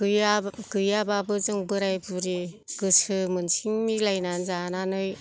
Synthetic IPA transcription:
ɯjaɡɯjababɯzɯŋbɯɾajbuɾiɡ̥ɯsɯmɯnsʰiŋmilajnanzananɯj

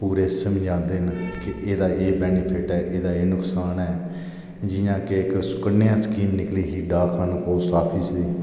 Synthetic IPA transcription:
puːɾeːsəmd͡ʒãːnd̪eːnkɪʔeːd̪aːeːbɛːnɪpʰɪʈɛːʔeːd̪aːeːnʊksaːnɛː | d͡ʒɪjãːkeɪksʊ̥kənːɪjãːskiːmnɪkliːɦiːɖaːkʰənpoːsaːpʰɪsd̪iː

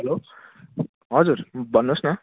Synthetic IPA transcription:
ɦelo | ɦʌd͡zuɾbʱʌnːosnʌ

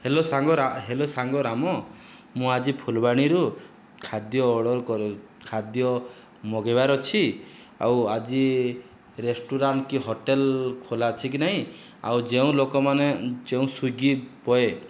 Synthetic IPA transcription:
helosaŋɡɔɾaɦelosaŋɡɔɾamɔ | mũad͡ʒipʰulbaɽ̃iɾu | kʰad̪jɔːɽɔɾkɔɾu | kʰad̪jɔ | moɡebaɾɔt͡ʃʰi | a̰wad͡ʒi | ɾesʈuɾaɳʈkiɦoʈelkʰolat͡ʃʰik̬inaɦĩ | a̰wd͡ʒeũlokɔmaned͡ʒeũsuɡipɔe

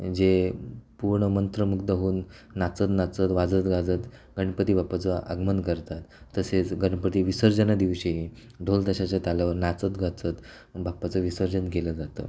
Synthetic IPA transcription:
d͡zepuɾɳəmənt̪ɾəmukd̪əɦuːnː | at͡sət̪nat͡sət̪ʋad͡zət̪ɡad͡zət̪ | ɡəɳ̃pət̪iːbapat͡səʔə̰ɡmənkəɾt̪at̪ːəset͡sɡəɳpət̪iːʋisəɾd͡zənad̪iʋɕiɦi | ɖʱolt̪əɕat͡ɕjat̪jalaʋəɾnat͡sət̪ɡat͡sət̪ | bapat͡səʋisəɾd͡zənɡeləd͡zat̪ə̰ː

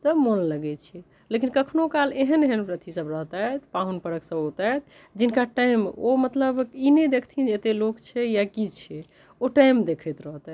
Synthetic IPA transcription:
t̪ɔmolləɡɛt͡ʃʰɛ | lekinkəkʰnokaleɦəneɦənpɾət̪ʰisəbɾəɦt̪at̪paɦunpəɾəksəbot̪at̪ʰ | d͡ʒinkaʈajmomət̪ləbined̪ekʰt̪ʰinet̪elokt͡ʃʰɛjakit͡ʃʰɛ | oʈajmd̪ekʰɛt̪ɾəɦt̪a

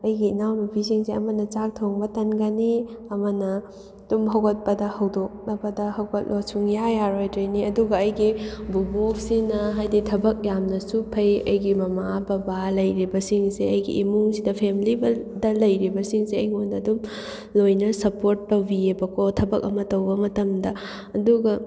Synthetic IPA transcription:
ɐjɡinawnɐbʱisiŋseɐmɐnɐt͡ʃak̚tʰoŋbɐtɐnɡɐniɐmɐnɐ | d̥umɦɐwɡɐt̚pɐdɐhɐwdok̚nɐbɐdɐhɐwɡɐt̚losuŋjajaɾojdɾɐjniɐduɡɐːjɡibubok̚sinɐɦajditʰɐbɐk̚jamnɐsupʰɐjɐjɡimɐmabɐbalɐjɾibɐsiŋseɐjɡḭʔːmuŋsidɐpʰemlibɐdɐlɐjɾibɐsiŋseɐjŋondɐːdum | lojnɐsɐpoɾtːɐwbiebɐkotʰɐbɐkɐmɐtɐwbɐmɐtɐmdɐ | ɐduɡɐ

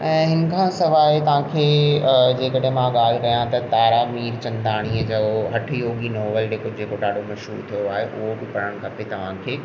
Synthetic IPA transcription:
ɛ̃ːɦɪn̆kʰãsɐʋaːit̪ɐʋ̤ãːkʰeːd͡ʑeːkɐɽemãɠaːl̤ɾɐɦijãt̪ɐt̪aːɾamiːɾt͡ɕɐ̃nd̪aːɽ̃iːəd͡ʑɐoɦɐʈʰjoːɡinɔːʋəld͡ʑeːkod͡ʑeːkoɗaːɖʱomɐʃɦṵːɾt̪ʰijoaːɦeʔʊɦobɪpɐɽəɽ̃kʰɐpet̪ɐʋ̤ãkʰeː

